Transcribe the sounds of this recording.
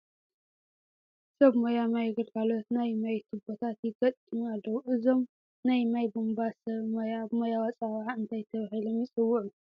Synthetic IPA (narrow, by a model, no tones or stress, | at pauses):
sɐβmojamajɡɨɾkʰalot̪najmajt̪ʰɨbot̪ʰat̪jɪɡɐt̪ʼɨmalowʔɨzo̞m | najmajbombasɐβmojamojawat͡sʼaβʕaɨnt̪ʰajt̪ʰɐβahilomjɪsʼɨwːʊʕu